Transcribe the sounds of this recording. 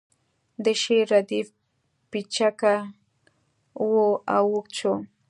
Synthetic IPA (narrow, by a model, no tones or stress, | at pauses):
d̪eʃiɾad̪if | pɪt͡ʃaka | woawʊkt͡ʃaw